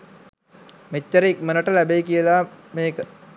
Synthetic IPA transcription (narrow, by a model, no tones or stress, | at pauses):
met͡ʃːəɾəik̚mənəʈəlæbeikijəlaːmeːkə